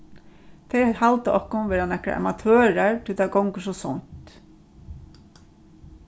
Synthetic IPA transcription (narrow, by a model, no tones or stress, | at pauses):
t̪ʰɛjhalt̪əɔhkʊnʋɛːɾanɛhkɾa̰ʔa̰mat̪ʰøːɹaɹt̪ʰɪlt̪ʰakɔwŋkəsɔsɔn̥t̪